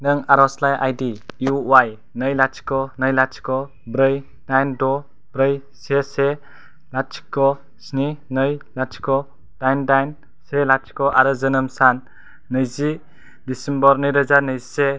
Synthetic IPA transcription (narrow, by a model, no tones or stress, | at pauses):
nɯŋaɾɔslajʔa̰jdijuwaj | nɯjlatt͡ʃʰi̥kɔnɯjlatt͡ʃʰi̥kɔ | bɾɯj | najndɔ | b̥ɾɯj | sese | latt͡ʃʰi̥kːɔ | sninɯjlat͡ʃʰi̥kɔ | d̥ajndajn | selatt͡ʃi̥kɔʔaɾɯzɯnɯmsanː | ɯjzi | disembɔɾnɯjɾɯzanɯzise